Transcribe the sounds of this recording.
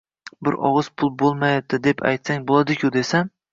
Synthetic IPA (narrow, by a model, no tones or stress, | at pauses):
bɪɾʔɒ̰ʁɨz̥pʰʊlˠbolˠmajap̚d̪ɪd̪epʰa̰jt̪saŋbolˠad̪ɪkʲʰʊd̪e̞san